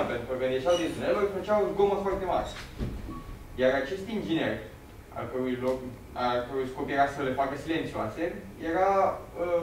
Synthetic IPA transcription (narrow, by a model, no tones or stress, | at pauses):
pent̪ɾubenet͡ʃawd̪ezunelorfət͡ʃawunɡoməfoart̪e̞ma̰ɾe | jaɾat͡ʃe̞st̪ind͡ʒine̞r | a̰kəɾujlok | akəɾujsko̞pjeɾasəle̞fakəsile̞nt̪siuasejeɾaə